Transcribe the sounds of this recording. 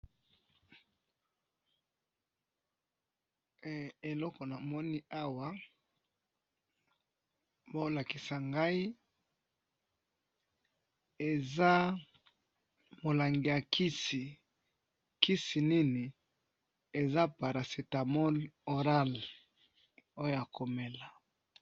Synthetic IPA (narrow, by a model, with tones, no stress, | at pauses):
e˨lɔ˦kɔ˨na˨mɔ˦ni˦ʔa˦wa˨˦ | bo˦la˨ki˨sa˨ŋɡa˦i˦ | e˨za˦ | mo˨la˨ŋɡi˨ja˨ki˦si˨ | ki˦si˨ni˦ni˨ | e˨za˦pa˨ɾa˨se˨ta˨mɔ˦lo˨ʁa˦l | o˦jo˦ja˨ko˨me˨la˨